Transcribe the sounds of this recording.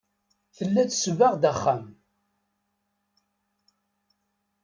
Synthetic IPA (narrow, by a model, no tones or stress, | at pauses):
θəlːæθsvaʁd̪æχːæm